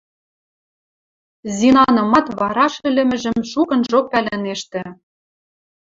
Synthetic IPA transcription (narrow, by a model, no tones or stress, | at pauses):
zinɑnɤ̆mɑt̪βɑɾɑʃɘ̆lʲɘ̆mɘ̆ʒɘ̆mʃukɤ̆nʒok̚pælæneʃt̪ɘ̆